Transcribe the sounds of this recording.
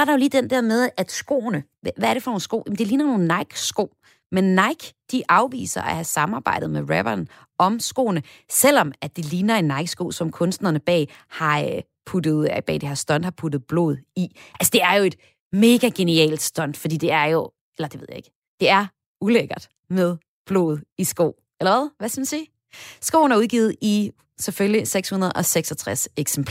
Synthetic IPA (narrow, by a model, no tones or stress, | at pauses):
sɒɐɾɑ̈jo̝liːd̥end̥æɐ̰með̞ˠæd̥sɡ̥o̝̰ːnə | ʋææɐɾe̝fɒno̝ːnsɡ̥o̝̰ːjem̩d̥e̝liːnɐno̝ːn̩nːɑ̈ɪɡ̥sɡ̥o̝ʊ̰ | menːɑ̈ɪɡ̥d̥iʔɑ̈ʊʋḭːsɐʔæhæsɑ̈mɑ̈ːb̥ɑ̈ɪ̰d̥ð̩ˠmeʁæb̥ɐn | ɒ̽msɡ̥o̝̰ːnəsel̰ɒ̽mæd̥iliːnɐe̝nːɑ̈ɪɡ̥sɡ̥o̝̰ːsɒ̽mkʰɔ̽nsd̥nɐnəb̥ɛ̰ːhɑ̈ | pʰud̥ð̞̩ˠb̥ɛ̰ːd̥ehe̝ɐ̰sd̥ɒ̽n̰d̥hɑ̈pʰud̥ð̩ˠb̥lɔ̝̰ːð̞̩ˠiʔælsəd̥e̝æɐjo̝e̝d̥ | me̝ːɡ̥æɡ̥e̝niɛ̰ːld̥sd̥ɒ̽n̰d̥fɒd̥ḭːd̥e̝æɐjo̝ | elɐd̥eʋe̝ð̞̰ˠjae̝ɡ̥ | d̥e̝æɐ | uleɡ̥ɐd̥ | með̞ˠ | b̥lo̰ːð̩ˠisɡ̥o̝̰ː | elɐʋæðˠʋæskɐmnsḭː | sɡ̥o̝̰ːn̩æɐuðˠɡ̥iːð̞̩ˠi | seføljiseɡ̥shunɐð̞̩ˠʔɒ̽seɡ̥sɒt͡sʰʁaseɡ̥sempʰ